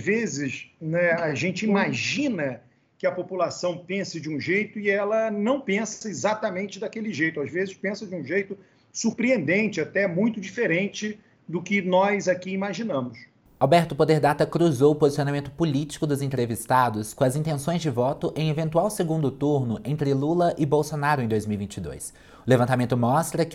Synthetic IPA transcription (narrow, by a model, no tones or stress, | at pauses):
zvezɪsnɛaʒẽnt͡ʃɪimaʒĩnɐ | kɪɐpopulasɐ̃w̃pẽsɪd͡ʒɪũʒejt̪ʊɪɛlɐnɐ̃w̃pẽsɐezat̪amẽnt͡ʃɪd̪akelɪʒejt̪ʊazvezɪspẽsɐd͡ʒɪũʒejt̪ʊ | suɾpɾiẽnd̪ẽnt͡ʃɪat̪ɛmũj̃t̪ʊd͡ʒifeɾẽnt͡ʃɪ | d̪ʊkɪnɔzakiimaʒinɐ̃mʊs | awbɛɾt̪ʊpod̪eɾd̪at̪ɐkɾuzowʊpozisionamẽnt̪ʊ̥polit͡ʃi̥kʊd̪ʊzẽt̪ɾevist̪ad̪ʊskõɐzĩnt̪ẽsõj̃zd͡ʒɪvɔt̪ʊʔẽj̃evẽnt̪uawseɡũnd̪ʊt̪uɾnʊʔẽnt̪ɾɪlulɐʔɪbowsonaɾʊẽd̪ojzmiuwivĩnt͡ʃɪd̪o̰js | ʊlevɐ̃nt̪amẽnt̪ʊmɔst̪ɾɐk